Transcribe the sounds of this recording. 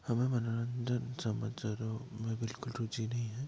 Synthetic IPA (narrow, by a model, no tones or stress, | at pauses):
hɐmẽmɐnaɾə̃ndənsɐmə̰d͡ʒzɐɾomẽbɪlkʊlɾud͡ʒinɐɦĩɦɛ̃ː